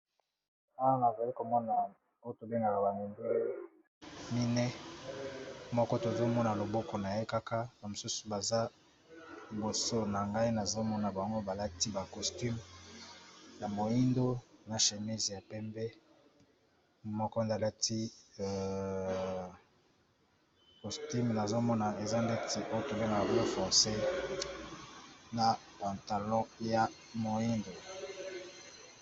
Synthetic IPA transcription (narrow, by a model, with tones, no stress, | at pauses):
a˦wa˦na˨za˨li˦ko˨mɔ˦na˨ | o˦o˦to˨be˦ŋɡa˨la˨ba˨ŋe˨nde˦ | mi˦nɛ˦ | mɔ˦kɔ˦to˨zo˦mɔ˦na˨lo˨bɔ˦kɔ˨na˨je˦ka˦ka˦ba˨mo˨su˦su̥˨ba˨za˦˨ | bo˨so˦na˨ŋɡa˦i˦na˨zo˦mɔ˦na˨ba˨ŋɡo˦ba˨la˦ti˦ba˨kɔ˨sti˦m | ja˨mo˨ji˦ndo˦na˨ʃe˨mi˦zja˨pɛ˦mbɛ˦˨ | mɔ˦kɔ˦nda˨la˦tʰi˦˨ | ko˨sty˦mna˨zo˦mɔ˦na˨e˨za˦nde˦tʰi˨ʔo˦jo˦to˨le˦ma˨blo˦fɔ˨se˦ | na˨pa˨nta˨lɔ̃˦ja˨ | mo˨i˦ndo˨